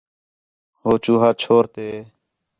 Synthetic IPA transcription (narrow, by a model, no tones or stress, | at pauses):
ɦoːt͡ʃuːɦaːt͡ʃʰoːɾt̪eː